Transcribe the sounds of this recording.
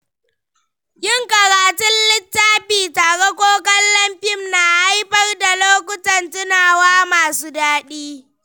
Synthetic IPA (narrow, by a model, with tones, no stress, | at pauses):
jɪ˦ŋkɐ˨ɽaː˨tʊ˦nlɪ˦tːaː˦ɸiː˨taː˨ɽɛ˦kʷoː˦kɐ˦nlɐ˦mɸɪ˦mna˨ʔa˦jɸɐ˦rda˨loː˦kʷʊ˦tɐ˨ntʊ˦naː˨waː˦maː˨suː˦daː˦ɗiː˦